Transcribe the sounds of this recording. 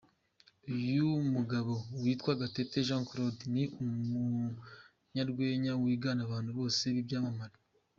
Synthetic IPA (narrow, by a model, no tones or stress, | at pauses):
ujumuɡaβowiːtkwaɡate̞teʒãŋkɾodniʔumu | ɲaɾɡwe̞ːɲawiːɡaːnaβaːn̥huβo̞ːse̞βibɟaːmamaɾa